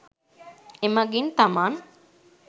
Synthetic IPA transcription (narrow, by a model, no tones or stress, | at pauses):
emɐɡint̪amaːn